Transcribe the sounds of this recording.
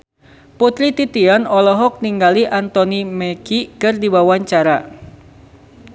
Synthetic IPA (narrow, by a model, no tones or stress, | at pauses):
put̪ɾit̪it̪ianɔlɔɦɔk̚niŋɡaliʔant̪ɔnimɛkikɨrdibawaɲt͡ʃaɾa